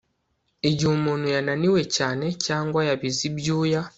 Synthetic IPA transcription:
eɟumunujananiwe̞caːne̞caːŋɡwajaβizibjuːja

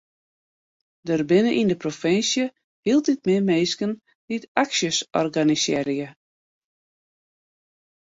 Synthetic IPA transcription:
dərbɪnəʔindəprofɪnsjə | hilˠt̚dɪt̚mɪmeːskən | d̥itaksjəsɔ̰rɡanisɛ̰ɾjə

